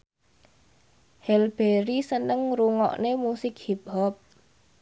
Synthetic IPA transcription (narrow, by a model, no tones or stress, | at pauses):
hɛlb̥eɾisənəŋɾuŋɔ̰ʔnemusɪk̚hip̚hɔp̚